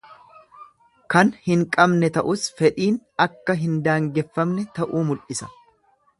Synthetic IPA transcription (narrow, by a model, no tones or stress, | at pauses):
kɐnhɪŋkʼɐbnɛt̪ɐʔʊsfɛᶑiːnɐkːɐɦɪnd̪aːŋɡɛfːɐmnɛt̪ɐʔuːmʊlʔɪsɐ̥